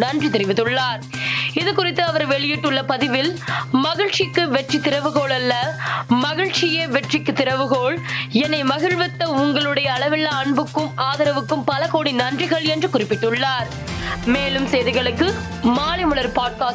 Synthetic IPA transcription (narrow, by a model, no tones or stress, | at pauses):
nɐndrit̪ɪɾɪʋɪt̪ːɯɭːaːɾɪðɯkʊrɪt̪ːɯɐʋɐɾʋɛɭɪjɪʈːɯɭːɐpɐðɪʋɪlmɐɣɪɻt͡ʃɪkːɯʋɛʈrit̪ɪɾɐʋɯɣoːɭɐlːɐmɐɣɪɻt͡ʃɪjeʋɛʈrɪkːɯt̪ːɪɾɐʋɯɣoːɭɛnːɐɪmɐɣɪɻʋɪt̪ːɐʊŋɡɐɭɯɽɐjɐːɭɐʋɪlːɐɐɳbɯkːɯmaːðɐɾɐʋɯkːɯmpɐlɐkoːɽinɐndrɪɣɐɭɛndrɯkʊrɪpːɪʈːɯɭːaːɾ | meːlɯmsejðɪɣɐɭɯkːɯ | maːlɪmɯɭɐɾpaːɖ̚kaːs